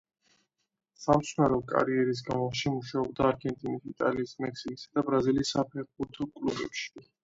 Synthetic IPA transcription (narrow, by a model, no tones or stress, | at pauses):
samt̪sʰnaɾɔkʼa̰ɾiɛɾis̬ɡamɔʃimuʃaɔb̚d̪aːɾɡɛnt̪ʼinisit̪ʼaliːsmɛksikʼisad̪abɾazilisːapʰɛɾbuɾt̪ʰɔkʼlubɛ̰pʃi̥